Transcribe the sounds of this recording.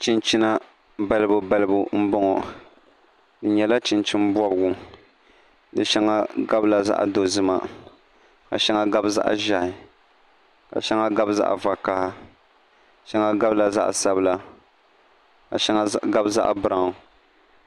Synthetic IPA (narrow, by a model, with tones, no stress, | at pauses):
t͡ʃi˦nt͡ʃi˦na˦ | ba˦lɨ˦bʊ˨ba˦lɨ˦bʊ˦m̩˦bɔ˦ŋɔ˨ | dɨ˨ɲɛ˨la˦t͡ʃɪ˨nt͡ʃi˦nbɔ˦bɨ˨ɡʊ˨ | dɨ˨ʃɛ˦ŋa˦ɡa˦bla˨za̰˦ʔa̰˨do˨zɨ˦ma̰˨ | ka̰˨ʃɛ˦ŋa˦ɡa˦bza̰˦ʔʒa˨ɪ˨ | ka̰˨ʃɛ˦ŋa˦ɡa˦bza̰˦ʔa̰˨va˨ka˦ha˦ | ʃɛ˦ŋa˦ɡa˦bla˨za̰˦ʔsa˦bla˦ | ka̰˨ʃa˦ŋa˦ɡa˦bza̰˦ʔbɨ˦ɾa˨ŋ˨